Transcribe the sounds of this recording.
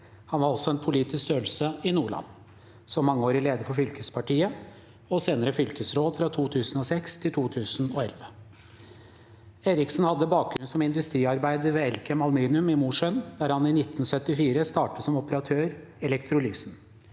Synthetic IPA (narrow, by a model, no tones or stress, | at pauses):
hɑnʋɑɾɔsɔɛnpʰʊliːt̪ɪskt̪øːl̩səɪnuːɭɑ̰nː | sɔmːɑŋːəoːɾɪleːd̪əfɔfʏlkəspʰɑʈiːə | ɔseːnəɾəfʏlkəsɾoːd̪fɾɑt̪ʰuːt̪ʰʉːsn̩ɔsɛkst̪ʰɪlt̪ʰuːt̪ʰʉːsnɔːɛlʋə | eːɾɪksnhɑd̪ːəbɑːk̚ɡɾʉnsɔmɪnd̪ʉst̪ɾiːɑɾbæɪd̪əɾʋeːɛlkʰəmɑlmiːnɪʉmɪmuːʂœnd̪æɾhɑnɪnɪt̪ːn̩sœt̪ːɪfiːɾəst̪ɑːʈəsɔmɔpəɾɑt̪ʰøːɾɛlɛkt̪ʰɾʊlyːsn̩